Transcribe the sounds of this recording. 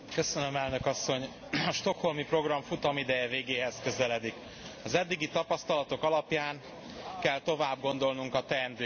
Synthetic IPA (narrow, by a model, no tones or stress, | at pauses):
kø̞sønø̞mɛlnø̞kɒsːo̞ɲ | ɒʃt̪o̞kho̞lmipro̞ɡrɒɱfut̪ɒmid̪ɛjɛveːɡeːɦɛzkø̞zɛlɛd̪ik | ɒzɛd̪ːiɡit̪ɒpɒst̪ɒlɒt̪o̞kɒlɒpjaːŋ | kɛlt̪o̞vaːb̚ɡo̞nd̪o̞lnuŋkɒt̪ɛːnd̪øː